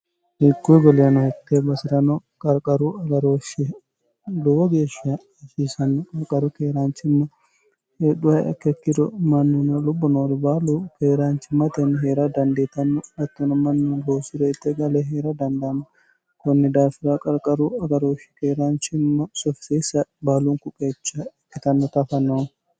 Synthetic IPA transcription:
hikːuɡɔlɪjɐnɔhɛt̪ːebɐsɪɾɐnɔkʼɐɾkʼɐɾuɐɡɐɾoːʃɪ | lʊwɔɡeːʃɪɐ | ɛʃiːsɐnːɔkʼɐɾkʼɐɾʊkeːɾaːnt͡ʃɪmːɐ | heᶑʊhɐjɐ̰kːɛkːɪd̪ɔmɐnːʊnɐlʊbːɔnoːɾɪbaːlʊkeːɾaːnt͡ʃɪmɐt̪ɛnɦeːɾɐd̪ɐnd̪eːt̪ɐnːʊnɐt̪ːɔnɐmɐnːunɡoːsɪɾɛɪt̪ːɛɡɐlɛɦeːɾɐd̪ɐnd̪ɐnːɔ | kɔnːɛd̪aːfɪɾɐkʼɐɾkʼɐɾʊɐɡɐɾoːʃɪ̥keːɾaːnt͡ʃɪmːɐsɔfɪ̥sesɐbaːluŋkʊkʼːet͡ʃːɐɛkːɪt̪ɐnːɔt̪ɐfɐnːoːn

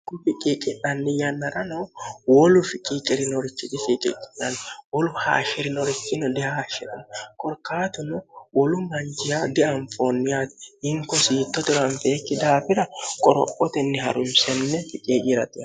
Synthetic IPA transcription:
kʊfɪkʼɪkʼɪnːɐnːɪjɐnːɐɾɐnɔwɔlʊfɪkʼiːkʼɪɾɪnɔɾɪt͡ʃːɪt̪ɪfɪkʼɪ̰kʼɪ̥nɐnːwɔlʊha̰ːʃɪɾɪnɔɾɪt͡ʃːɪnɔd̪ɛahaːʃɛᶑɐ̰nkʼɔɾkaːt̪ʊnʊwɔlʊmɐnd͡ʒɪjad̪ɪʔɐɱfoːnːɪjat̪ɪ̥ɪŋkɔsiːt̪ːɔt̪ʊɾɐnfeːkːɪd̪aːfɪɾɐkʼɔɾɔ̰pʼːɔt̪ɛnːɪhɐ̰ɾʊmsɛnːɛfɪkʼiːd͡ʒɪɾɐt̪ɪ

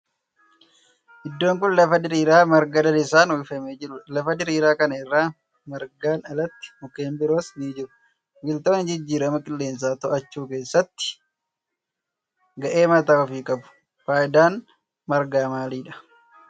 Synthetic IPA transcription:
ʔɪd̪ːo̞ːŋk̬ʊnlɐfɐd̪ɪɾiːɾaːmɐɾɡɐd̪ɐlɪsaːnwifɐmeːd͡ʒɪɾʊlɐfɐd̪ɪɾiːɾaːkɐnɐɪrːaː | mɐɾɡaːnɐlɐt̪ːɪ̥mʊkeːmbɪɾo̞ːsniːd͡ʒɪɾʊ | wɪlt̪oːnɪd͡ʒɪd͡ʒːiːɾɐmɐkʼɪlːe̞ːns̬aːt̪ɔʔɐt͡ʃːuːke̞ːsːɐt̪ːɪ̥ | ɡɐʔe̞ːmɐt̪aːɔfiːkʼɐbʊ̥ | faːjɪd̪aːn | mɐɾɡaːmaːliːᶑɐ̥

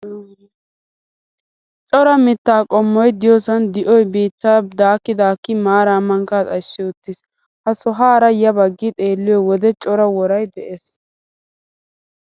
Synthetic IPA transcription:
t͡ʃʼɔɾɐmɪt̪ːaːkʼɔmːɔjd̪ɪjɔːsɐnd̪ɪʔɔjbiːt̪ːad̪aːkːɪd̪aːkːɪmaːɾaːmːɐŋkaːt̪ʼɐʃːɪʊt̪ːɪs | hɐsɔɦaːɾɐjɐbɐɡːɪt̪ʼe̞ːlːɪjɔwɔd̪ɛt͡ʃʼɔɾɐwɔɾɐjd̪ɛʔes

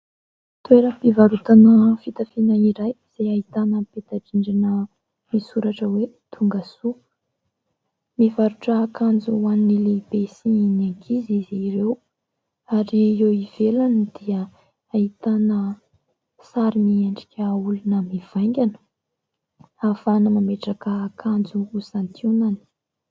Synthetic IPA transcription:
t̪ueɾəpivaɾut̪anəfit̪afinaiɾaj | z̥eait̪anəpet̪aʈ͡ʂiɳɖ͡ʐanə | misuɾaʈ͡ʂəwe | t̪ʰuŋɡasu | mivaɾuʈ͡ʂəːkand͡zuanːilebesiinakʰiziziɾew | aɾiewiv̥elanid̪iə | ait̪anə | saɾimieɳɖ͡ʐi̥kʲəulunəmiv̥ajŋɡʲanə̥ | afanəmameʈ͡ʂakəːkʰand͡zuːsant̪ʰunani̥

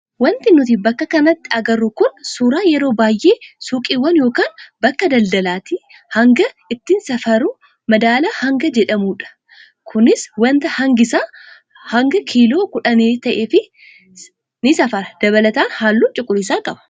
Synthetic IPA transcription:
wɐnt̪ɪnʊt̪̬ibɐkːɐkɐnɐt̪ːɪɐɡɐrːʊkʊnsuːɾaːjɛɾo̞ːbaːjʔeːsuːkʼiːwːɐnjo̞ːkaːnbɐkːɐd̪ɐld̪ɐlaːt̪i | hɐŋɡɐ | ɪt̪ːɪnsɐfɐɾʊ | mɐd̪aːlahɐŋɡɐd͡ʒɛᶑɐmuːᶑɐ̥ | kʰʊnɪswɐnt̪ɐhɐŋɡɪsaː | hɐŋɡɐkʰiːlo̞ːkʊᶑɐneːt̪ɐʔeːfɪ | nɪsɐfɐɾɐd̪̥ɐβɐlɐt̪aːnhaːlːuːt͡ʃʼʊkʼːʊɾɪsaːkʼɐbɐ̥

